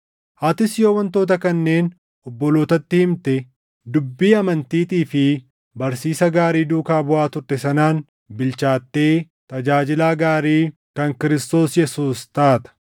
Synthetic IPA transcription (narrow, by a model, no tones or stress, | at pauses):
haːt̪ɪsjo̞ːwɐnt̪o̞ːt̪̬ɐkɐnːe̞ːn | ɔbːɔlo̞ːt̪ɐt̪ːɪhɪmt̪ɛ | d̪ʊbːiːɐmɐnt̪iːt̪iːfɪ | bɐɾsiːsɐɡaːɾiːd̪uːkaːbʊʔaːt̪ʊɾt̪ɛsɐnaːn | bɪlt͡ʃaːt̪ːe̞ː | t̪ɐd͡ʒaːd͡ʒɪlaːɡaːɾiːkɐŋkɪɾɪst̪o̞ːsjɛsuːst̪aːt̪ɐ̥